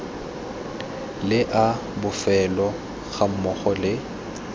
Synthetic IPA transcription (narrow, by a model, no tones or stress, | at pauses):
lɪʔa | bʊfɛlɔ | ɣam̩mɔχɔlɪ